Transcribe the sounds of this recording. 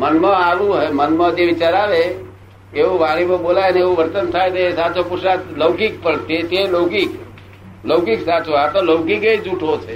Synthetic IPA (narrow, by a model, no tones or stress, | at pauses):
mənmãaʋũɦemənmãd͡ʒeʋɪt͡ʃaɾaʋe | eʋũʋaɽ̃ipə̃boːlajneeʋũʋəɾt̪ənt̪ʰajt̪eesat͡ʃopʊɾʃaləwkik̚pəɳt̪et̪eloːkik | ləʊkiksat͡ʃoɦat̪oləʊkikeid͡ʒuʈʰot͡ʃʰe